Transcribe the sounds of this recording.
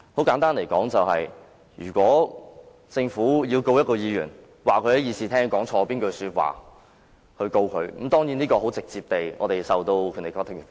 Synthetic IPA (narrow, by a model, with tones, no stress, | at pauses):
ho˨˥wkaː˨˥nt̪aː˥nle˨˩jkɔː˨˥ŋt͡sɐ˨whɐ̰˨j | jyː˨˩kʷɔː˨˥ | t͡sɪ˧ŋfuː˨˥jiː˧wko˧wjɐ˥t̚kɔː˧jiː˨˧jyː˨˩n | waː˨˩kʰɵ˨˧ɥhɐ˨˥jiː˨˧siː˨˩t̪ʰɛː˥ŋkɔː˨˥ŋt͡ʃʰɔː˧piː˥nkɵ˧syː˧t̚wa̰ː˨˩ | hɵ˧ɥko˧wkʰɵ˨˧ɥm̩˨˥mt̪ɔː˥ŋjiː˨˥niː˥kɔː˧ɦo˨˥wt͡sɪ˨k̚t͡siː˧p̚t̪e˨jɔ̰ː˨˧t̪e˨jsɐ˨˩wt̪o˧wkʰy˨˥ne˨˩kɔː˥t̪ʰɪ˥˩ŋ˨˩